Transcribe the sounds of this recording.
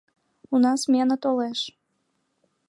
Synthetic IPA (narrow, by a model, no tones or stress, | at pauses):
unɑsmʲenət̪oleʃ